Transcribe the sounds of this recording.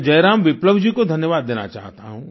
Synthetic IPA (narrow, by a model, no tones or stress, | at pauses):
d͡ʒɐjɾaːmʋɪpləʋd͡ʒikod̪ʱɐnjəʋaːd̪ːeːna̰t͡ʃa̰ːɦt̪aɦṵ̃ː